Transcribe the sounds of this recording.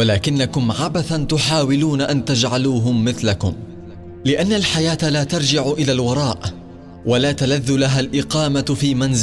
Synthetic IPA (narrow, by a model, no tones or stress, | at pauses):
walaːkɪnːakʊmʕabaθant̪ʊħaːwɪluːnaʔant̪ad͡ʒʕaluːɦʊmːɪθlakʊm | lɪʔanːalħajaːt̪laːt̪ɑɾˤd͡ʒɪʕʊʔɪlaːlwɑɾˤɑːʔ | walaːt̪alaðːʊlaɦaːlʔɪqɑːmafiːmanzɪ